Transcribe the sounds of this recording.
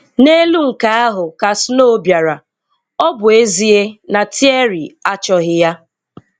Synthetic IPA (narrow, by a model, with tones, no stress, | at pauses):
ne˦lu˦ŋ̩˨ka˦a˦ɦʊ˨ka˨sno˦bja˨ɾa˨ | ɔ˦bʊ˨e˦zi˦e˦na˨tʰi˦e˦ɾi˨a˦t͡ʃɔ˦ɦɪ˦ja˦